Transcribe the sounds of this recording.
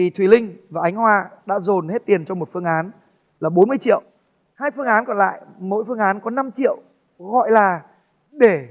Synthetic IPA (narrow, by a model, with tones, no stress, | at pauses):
i˨˩t̪ʰwi˨˩lï˧ŋ̟vaː˨˩ʔa˨˦jŋ̟hwaː˧ɗa̰ː˧˥zo˨˩nhe˦˥t̚t̪i˨˩ənt͡ɕɔ˧wŋ͡mmo˨˩t̚fɨ˧əŋʔaː˨˦n | laː˨˩ɓo˨˦nmɨ˧əjt͡ɕḭ˧˨əw | haː˧jfɨ˧əŋʔaː˨˦nkɔ˨˩nla̰ː˧˨jmo̰˧˥jfɨ˧əŋʔaː˨˦nkɔ˨˦na˧mt͡ɕḭ˧˨əw | ɣɔ̰˧˨jlaː˨˩ | ɗe˧˩